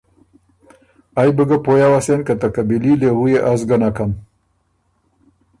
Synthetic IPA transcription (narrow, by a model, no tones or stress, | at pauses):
ajbəɡapojawasenkat̪akabililewujeʔazɡanakam